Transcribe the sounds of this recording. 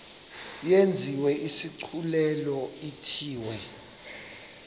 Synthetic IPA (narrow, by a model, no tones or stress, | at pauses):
jend͡zʱiwɛʔisiǀʰulɛlɔitʰiːwɛ